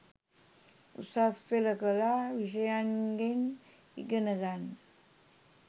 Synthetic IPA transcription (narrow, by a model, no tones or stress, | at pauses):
ṵsaspeləkəlaʋiɕ̬əjaŋɡen | ḭɡənəɡan